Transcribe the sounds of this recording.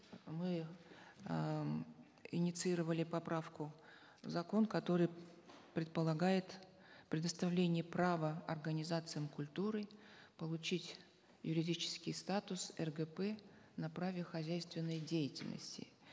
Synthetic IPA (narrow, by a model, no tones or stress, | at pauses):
mɨ | ɪnʲɪt̪sɨiɾəvəlʲɪpɐpɾafkʊ | vzɐko̞nkɐt̪o̞ɾɨjpɾʲɪt̪̚pəlˠɐɡajɪt̪ | pɾʲɪd̪əst̪ɐvlʲenʲɪjəpɾavəɐrɡənʲɪzat̪sɨjəmkʊlʲt̪uɾɨpəlˠʊt͡ɕitʲ | jʊɾʲɪdʲit͡ɕɪ̥skʲɪjst̪at̪ʊsɛrɡəpɛ | nɐpɾavʲɪxɐzʲæjst̪vʲɪnːəjdʲejɪtʲɪlʲnə̰sʲtʲɪ̰